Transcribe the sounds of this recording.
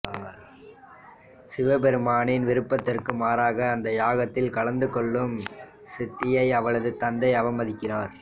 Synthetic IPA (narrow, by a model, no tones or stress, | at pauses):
sɪʋɐpɛɾɯmaːɳɪnʋɪɾɯpːɐt̪ːɪrkɯmaːɾaːɣɐːnd̪ɐjaːɣɐt̪ːɪlkɐɭɐnd̪ɯkɔɭːɯm | sɪt̪ːɪjɐɪɐʋɐɭɐðɯt̪ɐnd̪ɐɪɐʋɐmɐðɪkːɪraːɾ